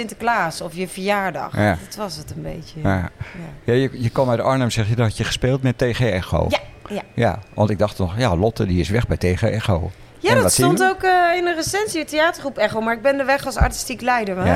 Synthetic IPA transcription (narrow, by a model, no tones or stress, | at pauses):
sɪntə̥klaːsɔfjəfəɹjaːɹdɑ̰χdɔtʋɑsətənbḛjtəajajajəjəkɔmɛdəɔɹnəmsɛxjadɔɦɛtjəχə̥speːlˠtmɛtːeːɣeɛxo̰ːajaja̰ʋɑ̰ntɪɡ̚dɑxtnɔxjalɔtədiɪsʋɛxbɛjtexeɛxo | jadɔsɔntowkəɪnəresɛnsiəteaːtəɹχrupɛxowmaːɹɪɡ̚bɛndəʋɛχɑlˠsa̰ɹti̥stiklɛjdəɹ